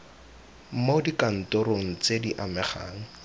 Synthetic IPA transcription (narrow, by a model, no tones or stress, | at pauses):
m̩modikan̩tʊɾoŋ̩t͡sediʔamɛχa̰ːŋ̩